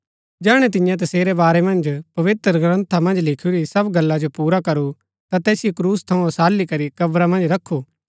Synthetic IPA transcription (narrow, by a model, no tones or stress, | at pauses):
d͡ʒɛːɽ̃ɛt̪̬ɪ̃jãt̪̬ɐseːɾebaːɾemɐ̃nd͡ʒpɐʋɪt̪əɾɡɾə̃nt̪ʰamɐ̃nd͡ʒlɪkʰuɾisɐbɡɐlːad͡ʒopuːɾakɐɾu | t̪at̪ɛːsɪijekɾuːst̪ʰɐũsaːlːikɐɾikɐbɾamɐ̃nd͡ʒɾɐkʰːu